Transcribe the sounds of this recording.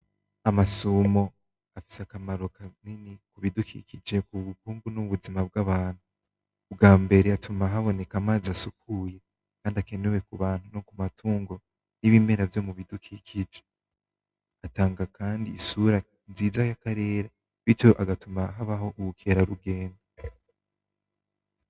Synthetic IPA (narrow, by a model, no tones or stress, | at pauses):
amasumo̞ | afi̥seakamaɾo̞kaninikuβidukʰḭkid͡ʒe̞kuβukuːŋɡunuβuzimab̚ɡaβaːn̥hu | bɡaːmbe̞ɾe̞atʰumaɦaβo̞ne̞kamaːziasukʰuːje̞ | kaːndiake̞newe̞kuβaːn̥hunokumatʰuːŋɡo̞ | niβiːme̞ɾavjo̞muβidukʰikʰid͡ʒe | ataːŋɡakaːndiːsuɾa | ziːzajakaɾe̞ːɾa | βit͡ʃo̞ʔaɡatumaɦaβaho̞ʔuukʰeːɾaɾuɡe̞ːnda